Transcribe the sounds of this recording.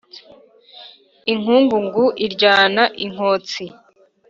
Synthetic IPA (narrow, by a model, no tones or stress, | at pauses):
iŋ̥uːŋɡuŋɡuʔiɾɟaːnaʔiŋ̥oːt͡si